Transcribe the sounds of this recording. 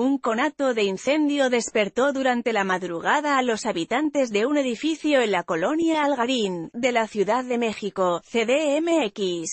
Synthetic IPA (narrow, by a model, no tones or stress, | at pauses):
uŋko̞nat̪o̞ðe̞inθe̞nd̪jo̞ðe̞spe̞ɾt̪o̞ðuɾant̪e̞lamaðɾuɣ̞aðaːlo̞saβit̪ant̪e̞zðe̞une̞ðifiθjo̞enlako̞lo̞njaːlɣaɾind̪e̞laθjuðaðːe̞me̞xiko̞θe̞ðeeme̞ekis